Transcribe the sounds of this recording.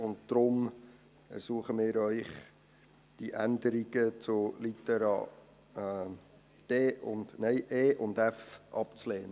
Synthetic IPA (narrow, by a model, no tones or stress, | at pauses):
ʊntd̥ɾʊm | ɛ̰ɾsuːəχəmɪːɾœʏχ | d̥iʔændəɾiɡət͡sʊlitɛɾɑ̰ | d̥eːʔʊ̰ndnɛɪʔeːʔʊndɛfʔɑpt͡sleːnə